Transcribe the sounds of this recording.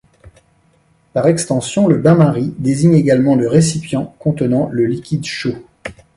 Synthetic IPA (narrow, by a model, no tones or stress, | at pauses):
paʁɛkst̪ɑ̃sjɔ̃ləbãmaʁid̪eziɲeɡalmɑ̃ləʁesipjɑ̃kɔ̃t̪ənɑ̃ləlikʲid̪ʃo